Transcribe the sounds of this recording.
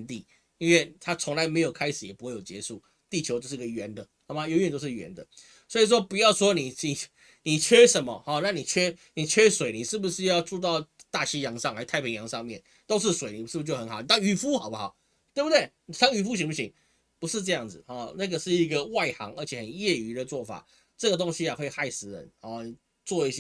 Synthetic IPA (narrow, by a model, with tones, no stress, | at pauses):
nt̪i˥˩ | i˥nwɛ˥˩t̪ʰa˥t͡sʰʊ˧˥ŋla˧ɪme˧˥ɪjo˨˩ʊkʰa˥ɪʂɻ̩˨˩jɛ˨˩pu˧˥xwe˥˩jo˨ʊt͡ɕjɛ̰˧˦ʂu˥˩ | t̪i˥˩t͡ɕʰjo˧˥ʊo˥˧ʂ̩˥˧˥ɡə˨ɥɛ˧˥nd̪ə˨ | ɔ˨˩ma˨˧jo˧˥˦ɥɛ˨nt̪o˥ʊʂ̩˥˩ɥɛ̰˧˥nd̪ə˨ | swɔ˧˥i˨˩ʂ̬wɔ˥pu˨˩jɑ˥˩ʊswɔ˥ni˨˩i˨˩ | ni˨˩t͡ɕʰɛ˥ʂə˨˦nmə̰˧hɔ˨˩na˥˩ni˨˩t͡ɕʰɥɛ˥ni˨˩t͡ɕʰɛ˥swe˨˩˦ɪni˨˩ʂɻ̩˥˩bu˩ʂɻ̩˥˧jɑ˥˧ʊt͡su˥˧t̪ɑ˥˧ʊt̪a˥˩ɕi˧˥jɑ˧˥ŋʂɑ˥˩ŋa˧˥˨t̪ʰa˥˩ɪpʰi˧˥ŋjɑ˧˥ŋʂɑ˥˧ŋmjɛ˥˨˩n | t̪o˥ʊʂ̬ɻ̩˥˩swe˨˩˦ɪni˨˩ʂɻ̩˥˩bu˩t͡ɕjo˥˩ə˧˥nɑ˨˦ni˨˩t̪a˥˧ŋy˨˩fu˥xɑ˨˩ʊpu˦xɑ˨˩˦ʊ | t̪we˥ɪbu˩d̪we˥˩ɪ˨sʰɑ˧˥ŋy˨˩fu˧˥ɕ̬i˧˥ŋpu˥˧ɕi˧˥ŋ | pu˧˥ʂɻ̩˥˧ʈ͡ʂɤ˥˧jɑ˥˩ŋd͡zɹ̩˨˩ɔ˥˩na˥˩ɡə˨˩ʂɻ̩˥˩i˧˥ɡə˧wa˥˩ɪxɑ̰˧˥ŋə˞˧˥t͡ɕʰjɛ˨˩xə˨˩njɛ˥˩y˧˥d̪ə˨˧t͡swɔ˥˩fa̰˨˩ | ʈ͡ʂɤ˥˩ɡə˩t̪o˥ŋɕi˧ja˨xwe˥˧ɪxa˥˧ɪsɹ̩˧˥ɻə̰˧˦nɔ˨˩˨ | t͡swɔ˥˧i˥˩ɕ